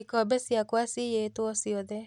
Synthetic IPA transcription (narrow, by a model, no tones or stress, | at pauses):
ikɔbɛsjakwasijetwɔsiɔðɛ